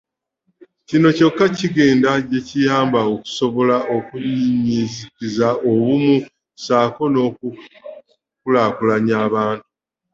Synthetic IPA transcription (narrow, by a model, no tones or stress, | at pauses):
cino̞co̞kːaciɡe̞ːndaɟe̞cijaːmbaoku̥so̞βo̞laʔo̞kuɲiɲizikizaoβumu | saːko̞no̞ku | kulaːkulaɲaːβaːntu̥